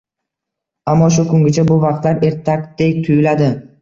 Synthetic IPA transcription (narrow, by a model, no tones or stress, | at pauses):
amːɒʃ̬ʊkʰʊŋɡʲɪt͡ʃʰabʊvɑq̚t̪laɾe̞ɾt̪ʰak̚ʲd̪ekʲt̪ʰʊjɪlad̪ɪ